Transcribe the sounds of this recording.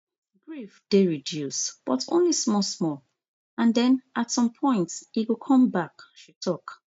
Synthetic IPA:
ɡɹifd̥eɹidjusb̥ɔtʰõ̰nlismɔsmɔl | ãndɛ̃nʔatsɔ̃mpʰɔ̃ɪ̃ntsiɡokʰɔ̃mbakʃitʰɔk

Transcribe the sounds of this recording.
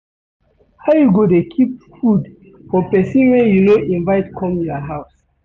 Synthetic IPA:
haʊjuɡodekʰip̚fud | fɔpɛsĩnwɛjunoʔĩnvaɪtkʰɔ̃mjɔɦaʊs

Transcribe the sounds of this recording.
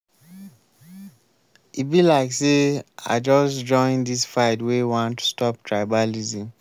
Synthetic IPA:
it̚bilaɪksea̰d͡ʒɔsd͡ʒɔ̃ɪ̃ndisfaɪdwewɔ̃ntu̥stɔptʰɹaɪbalizĩm

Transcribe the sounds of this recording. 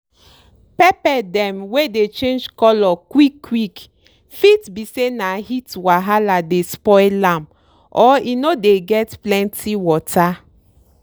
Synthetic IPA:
pɛpɛdɛ̃mwedet͡ʃẽnd͡ʒkɔlɔkwikːwik | fitbisenahitwaɦaladespɔɪlãm | ʔɔinodeɡɛtplɛ̃ntʰiwɔtʰa

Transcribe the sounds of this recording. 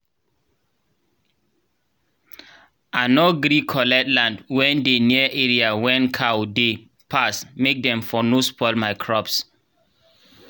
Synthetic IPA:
anoɡɾikʰɔlɛtlãndwɛ̃ndeniəʔɛɹiawɛ̃nkʰawde | pʰasmek̚dɛ̃mfɔnospʰɔɪlmaɪkʰɹɔps

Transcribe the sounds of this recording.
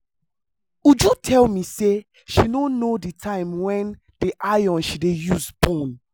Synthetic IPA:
ud͡ʒutʰɛlmise | ʃinonoditʰãɪ̃mwɛ̃n | d̥iʔajɔ̃nʃidejuzbɔ̃n

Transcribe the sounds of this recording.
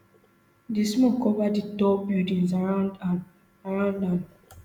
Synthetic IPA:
dismɔkːɔvaditɔbildĩnz | aɹãʊ̃ndam

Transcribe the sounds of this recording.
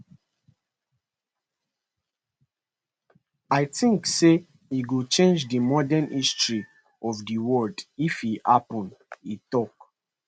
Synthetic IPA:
aɪtĩŋkse | iɡut͡ʃẽnd͡ʒdimɔdɛ̃nistɹi | ɔvdiwɔldifiha̰pɔ̃nditɔk

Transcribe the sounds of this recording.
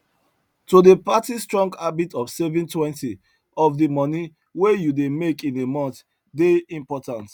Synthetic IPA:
todepatistɹɔ̃ŋɡabitɔfsɛvĩntwɛ̃nti | ɔfdəmɔni | wejudemekĩnemɔ̃nθ | deĩmpɔtãnt

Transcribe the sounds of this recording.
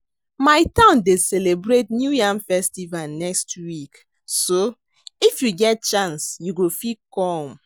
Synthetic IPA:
maɪtãʊ̃ndeselebɹet̚njujãmfɛstivalnɛkstʰwik | so | ifjuɡɛt̚t͡ʃãnsjuɡofikɔ̃m

